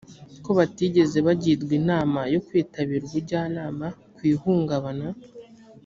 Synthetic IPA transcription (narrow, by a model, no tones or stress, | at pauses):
ko̞βatiɟe̞ze̞βaɟidɡwinaːmajo̞kwiːtaβiɾuβuɾɟaːnaːma | kwiːhuːŋɡaβana